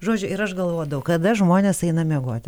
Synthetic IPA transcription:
ʒoːd͡ʒʲʊʔɪɾɐʃɡɐlˠʋoːjd̪ɐʊkɐd̪ɐʒmoːnʲeːsɐɪnɐmʲeɛɡoɔt̪ʲɪ

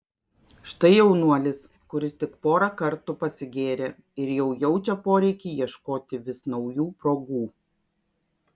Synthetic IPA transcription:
ʃt̪ɐɪjɛʊnuɔlʲɪs | kʊɾʲɪst̪ʲɪkpoːɾɑkɐɾt̪upɐsʲɪɡʲeːɾʲeː | ɪɾjɛʊjɛʊt͡ʃʲɛpoːɾʲɛɪkʲiːjiɛʃkoːt̪ʲɪʋʲɪsnɒʊjuːpɾoːɡuː

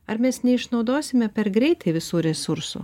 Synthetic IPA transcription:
ɐɾmʲɛsnʲɛɪʃnɒʊd̪oːsʲɪmʲɛpʲɛɾɡɾʲɛɪt̪ɐɪʋʲɪsuːɾʲɛsʊɾsṵː

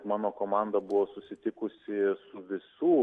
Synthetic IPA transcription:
mɑːnoːkoːmɑˑnd̪ɐbʊʋoːsʊsʲɪt̪ʲɪkʊsʲɪsʊʋʲɪsuː

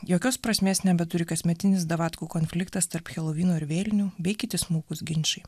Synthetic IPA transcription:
joːkʲoːspɾɐsʲmʲeːsnʲɛbʲɛt̪ʊɾʲɪkɐsʲmʲɛt̪ʲɪnʲɪsd̪ɐʋɑːt̪kuːkoːnʲfʲlʲɪkt̪ɐst̪ɐɾpxʲɛlˠɔʋʲiːnoːɪɾʋʲeːlʲnʲuːbʲɛɪkʲɪt̪ʲɪsmuːkʊsɡʲɪnʲt͡ʃɐɪ

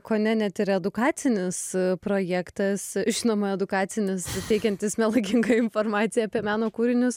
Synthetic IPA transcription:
koːnʲɛnʲɛt̪ɪɾɛd̪ʊkɑːt̪sʲɪnʲɪspɾoːjɛːkt̪ɐsʒʲɪnoːmɐɛd̪ʊkɑːt̪t͡s̪ʲɪnʲɪst̪ʲɛɪkʲɛnʲt̪ʲɪsmʲɛlˠɐɪkʲɪŋɡɐɪnfoːɾmɑːt̪ʲɪjɛːpʲiɛmʲæːnoːkuːɾʲɪnʲʊs

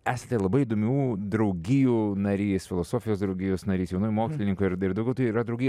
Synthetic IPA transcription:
æːsʲet̪ʲɛlˠɐbɐɪiːd̪oːmʲuːd̪ɾɐʊɡʲɪjuːnɐɾʲiːsfʲɪlˠoːsoːfʲɪjoːsd̪ɾɐʊɡʲɪjoːsnɐɾʲiːsjɛʊnoːjmoːksʲlʲɪnʲɪŋkʊɪɾɪɾd̪ɐʊɡʲɛʊt̪ɐiːɾɐd̪ɾɐʊɡʲij

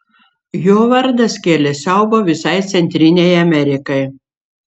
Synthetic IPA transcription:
joːʋɐɾd̪ɐskʲeːlʲɛsʲɛʊboːʋʲɪsɐɪt̪sʲɛnʲt̪ʲɾʲɪnʲɛjɐmʲɛɾʲɪkɐɪ

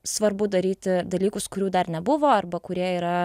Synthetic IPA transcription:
sʋɐɾbʊd̪ɐɾʲiːt̪ʲɪd̪ɐlʲiːkʊskʊɾʲuːd̪ɐrnʲɛbʊʋoːɐrbɐkʊɾʲiɛiːɾɐ

